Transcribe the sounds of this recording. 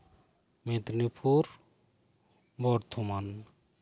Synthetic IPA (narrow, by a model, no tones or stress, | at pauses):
med̪nipʰuɾ | bɔɾt̪ʰoman